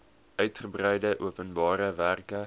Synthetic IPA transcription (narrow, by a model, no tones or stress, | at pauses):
œɥtχəbrɛjdəʔuəpənbɑːɾəværkə